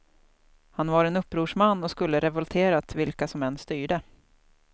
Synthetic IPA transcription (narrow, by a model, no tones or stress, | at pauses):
hanvaɾɛnɵpːɾuːʂmanːɔskɵlːəɾɛvɔlt̪ʰeːɾat̪vɪlkasɔmɛnːst̪yːɖə